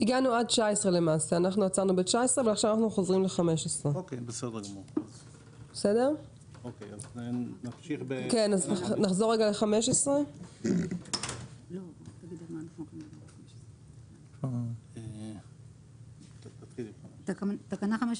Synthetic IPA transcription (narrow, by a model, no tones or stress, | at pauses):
iɡanuad̚t͡ʃaesʁe̞le̞maːseanaχnuat͡saʁnubet͡ʃaesʁeavalaχʃavanaχnuχozʁimle̞χameʃesʁeokejbesed̪eʁɡamuʁaz | besede̞ʁ | okḛjaznamʃiχbekenaznaχzo̞ʁːeɡaleχameʃesʁe | lot̪aɡid̪lalmaːnaχnukanialχameʃe̥se | e | t̪atχilt̪akat̪akanaχameʃ